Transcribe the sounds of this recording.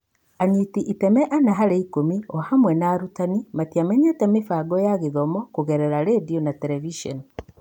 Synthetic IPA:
aɲitiʔitɛmɛʔanaɦaɾeikomiɔhamwɛnaːɾutanimatiamɛɲɛtɛmefaɡɔjaɣeðɔmɔkuɣɛɾɛɾaɾediɔnatɛɾɛviʃɔ̰ni

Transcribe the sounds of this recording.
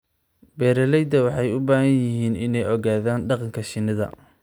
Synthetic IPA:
bɛːɾɐlɛjd̪ɐwɑħɑjʊbaːhɐnjɪɦiːnɪnɛjɔɣaːðaːnɖɑqɑŋkʰɐʃɪnːɐðɐ̰

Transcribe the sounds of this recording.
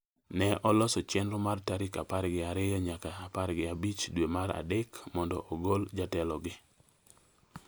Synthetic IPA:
nɛʔɔlɔsɔt͡ʃɛnɾomartaɾɪkapaɾɡɪaɾɪjɔɲakaːpaɾɡɪabit͡ʃdwemaɾa̰dekmɔndɔ̰ʔɔɡold͡ʒatɛlɔɡɪ

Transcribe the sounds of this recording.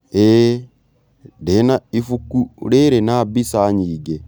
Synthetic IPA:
e | denaifukːuɾeːɾenabisaːɲiːɡɛ

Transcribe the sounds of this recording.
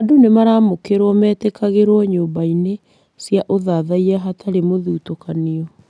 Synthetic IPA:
adonemaɾamokeɾwɔmɛːtɛkaɣeɾɔɲoːbaine | sjaʔoðaðaiɾɛɦatʰaɾemoðuːtokaniɔ

